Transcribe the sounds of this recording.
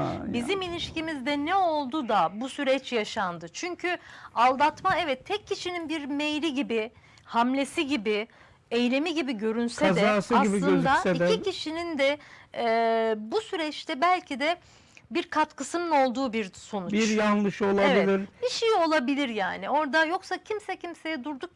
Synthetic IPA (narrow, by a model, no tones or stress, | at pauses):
a̰bizimilʲiʃcimizd̪ɛnɛo̞lˠd̪ud̪abusyɾɛt͡ʃjaʃand̪ɯt͡ʃʰyɲcʰyalˠd̪at̪maɛvɛt̪ʰːɛcʰːiʃininbiɾmejɾiɟibɪ | hamlʲe̞siɟibi | ejlʲe̞miɟibiɟø̞ɾynsɛazɛaːsɯasibiɟ̪ˠɯøndzaɛid̪ɛicʰiʃinind̪ɛ | busyɾɛt͡ʃt̪ʰɛbælʲcʰid̪ɛ | biɾkʰat̪kʰɯsɯnɯno̞lˠd̪uːbiɾso̞nut͡ʃiɾjanlˠɯʃo̞lˠaeviɛlʲiɾbiʃejio̞lˠabilʲiɾjaːnio̞ɾd̪ajo̞ksacʰimsɛcʰimse̞jɛd̪uɾd̪uk̚